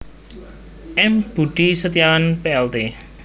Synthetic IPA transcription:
ʔɛmb̥uɖ̥isət̪ijawanpeɛlt̪e

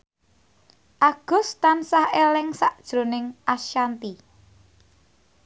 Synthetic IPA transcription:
ʔaɡ̥ʊ̤st̪ansahelɪŋsaʔd̥ʒ̥ɾo̤nɪŋʔaʃjant̪i

